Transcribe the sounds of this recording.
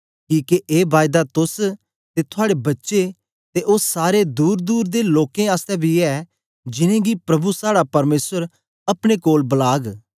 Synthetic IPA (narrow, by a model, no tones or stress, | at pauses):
kiːkeʔeːbaːjd̪at̪ʊs | t̪et̪ʰʊaːɽebɐtːʃe | t̪eʔoːsaːɾed̪uːɾd̪uːɾd̪eloːkẽaːst̪ɛbʱiɛ | d͡ʒɪnẽɡipɾɐbusaːɽapɐɾmeːsəɾ | ɐpɽ̃ekoːlbɐlaːɡ